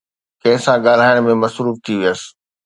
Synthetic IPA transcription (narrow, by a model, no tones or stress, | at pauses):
kɐ̃ɦɪ̃sãɠaːl̤aːɪəɽ̃mẽmɐsɾuːft̪ʰiʋijəsɪ̥̆